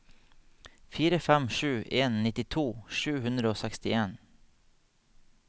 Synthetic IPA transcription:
fiːɾəfɛmʃʉːʔeːnːɪt̪ɪt̪ʰuːʃʉːhʉnd̪ɾəoːsɛkst̪ɪeːn

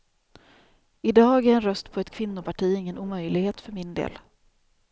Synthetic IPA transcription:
ɪd̪ɑːɡæɾɛnɾœst̪pʰɔɛt̪kʰvɪnːʊpʰaʈʰiːɪŋːənuːmœjlɪɡheːt̪fœɾmɪnd̪ḛːl

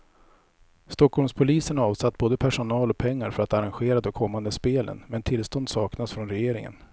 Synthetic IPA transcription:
st̪ɔkʰhɔlmspʰʊliːsənɑːvsat̪ːboːd̪əpʰæʂʊnɑːlɔpʰɛŋːaɾfœɾat̪aɾanɧeːɾad̪ɔkʰɔmːand̪əspeːlʔə̰nmɛnt̪ʰɪlst̪ɔnd̪sɑːknasfɾɔnɾɛjeːɾɪŋə̰n

